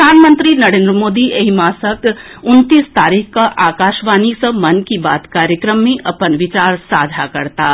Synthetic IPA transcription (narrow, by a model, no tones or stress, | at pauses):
aːnmə̃nt̪ɾinɐɾẽːnd̪ɾəmoːd̪iʔeɦimaːsək | ʊnt̪iːst̪aːɾiːkʰkaʔaːkaːʃʋaːnisə̃mɐnkibaːt̪kaːɾjəkɾəmːẽʔɐpənʋɪt͡ʃaːɾsaːd͡ʒ̪ʱakɐɾt̪aː